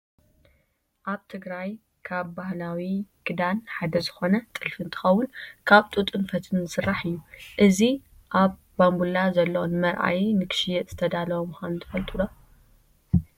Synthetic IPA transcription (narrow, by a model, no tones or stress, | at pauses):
ʔaβt̪ʰɨɡɾaj | kʰaβbahlawiɡɨd̪anħad̪ɐzɨxo̞nɐt̪ʼɨlfɨnt̪ʰɨ̥xɐwːʊnkʰaβt̪ʼut̪ʼɨnfɐt̪ʰɨnːɨsɨrːaħɨjːuʔɨzi | ʔaβːambulazɐlːɐwonmɐɾʔa̰jnɨkʰɨ̥ʃjɛt̪z̥ɨt̪ʰɐd̪alɐwomxanunt̪ʰɨfɐlt̪ʼulo